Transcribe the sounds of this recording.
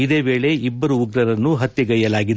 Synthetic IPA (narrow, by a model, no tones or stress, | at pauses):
id̪e̞ːbeːɭe̞ʔibːɐɾuuɡɾɐɾɐnːuɦɐt̪jɐɡɐjɐlaːɡid̪